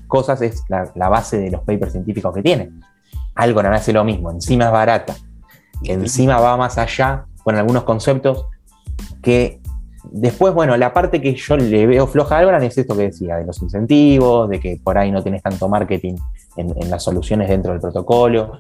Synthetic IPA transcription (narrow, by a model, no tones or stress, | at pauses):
ko̞sase̞slalaβ̞ase̞ðelo̞hpejpeɾsjent̪ifikosket̪jenẽn | alɣoɾanaselomizmo̞e̞nsimaeɦβaɾat̪a | ensimaβamasaʃakonalɣuno̞sko̞nsep̚t̪o̞s | ke | ðe̞spwe̞zβwe̞no̞lapaɾt̪e̞keʃo̞leβeofloxaalɣoɾanesest̪o̞keðesiaðelo̞sinse̞nt̪iβo̞zðe̞kepo̞ɾajnot̪jenest̪ant̪omaɾket̪in | enḛnlasːo̞lusjo̞ne̞ɦð̞e̞nt̪ɾo̞ð̞elpɾo̞t̪o̞kolo̞